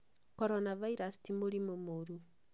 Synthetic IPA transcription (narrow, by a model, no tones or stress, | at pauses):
kɔɾɔnavaiɾastimoɾimomoɾu